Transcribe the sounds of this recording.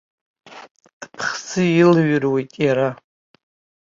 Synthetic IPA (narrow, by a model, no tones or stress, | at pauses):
pʰχsɨjilɥɪrwejtʼjaɾa